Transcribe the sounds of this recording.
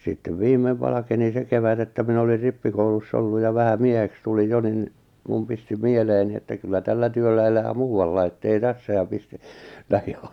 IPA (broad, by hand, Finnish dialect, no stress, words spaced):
sitːeʋ ʋiːmːeʋ ʋɑlɑkeni se keʋæt etːæ minæ olir ripːikoulusː olːuj jɑ ʋæhæ mieheks tulij jo nin mum pisti mieleːni etːæ kylːæ tælːæ tyølːæ elæː muːɑlːɑi etːei tæsːæ jɑ pisti̥ læhi̥